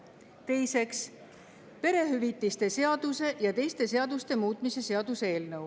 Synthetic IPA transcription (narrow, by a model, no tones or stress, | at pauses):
t̪e̞jseks | pe̞ɾe̞ɦyvit̪ːˑist̪e̞se̞ɑd̪̥use̞ʔjɑt̪e̞jst̪e̞se̞ɑd̪ust̪e̞muːt̪ˑmise̞se̞ɑd̪̥usee̞ːlnɤw